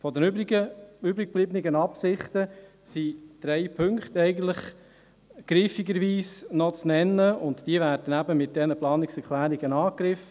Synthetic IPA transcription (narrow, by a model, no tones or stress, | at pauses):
fɔdɛnbɡəybɾɪk̚b̥libnɪɡənɑpsɪχtə | sid̥ɾɛɪpʰɵŋkχtɛɪɡən̩t̪ləχ | ɡ̥ɾifiɡəɾʋiːsnɔt͡snɛnːəʊntd̥iəvæːɾd̥ənæbəmɪt̚d̥ɛnəplɑːnɪksɛɾkʰlæːɾiɡ̥ənɑːkɾɪf